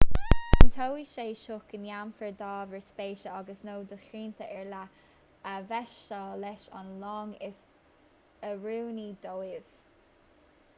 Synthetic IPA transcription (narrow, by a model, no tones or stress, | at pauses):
t̪ʰowiʃeːʃʊkənjamfəɹd̪ɑːvəɹspeːʃəɑɡəsnoːd̪əxɹiːnt̪ʰəʔɛɹla | əvɛʃɔːlɛʃɔ̰nlɔːŋɪs | əɹuːnid̪owɪv̥